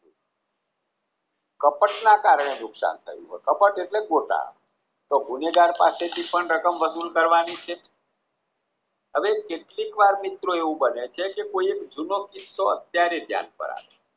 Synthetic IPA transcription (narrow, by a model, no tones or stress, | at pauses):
kəpəʈnakaɾəɽ̃enʊksa̰nt̪ʰə̰jṵɦo̰kəpəʈeʈleɡoʈa̰ | t̪oɡʱuneɡaɾpa̰set̪ʰipəɳɾəkəmʋəsulkəɾʋanit͡ʃʰe | ɦəʋekeʈlikʋaɾmit̪ɾoeʋũbənet͡ʃʰekekoiekd͡ʒunokisoə̰t̪̚jaɾed̪ʱja̰npə̰ɾa̰ʋe